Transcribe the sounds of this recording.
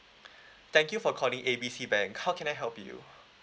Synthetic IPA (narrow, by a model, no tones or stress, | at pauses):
t̪ʰɛ̃ŋkjufɔkʰɔlĩŋʔebiːsiːbɛ̃ŋkhawkʰɛ̃naɪɦɛlpjṵ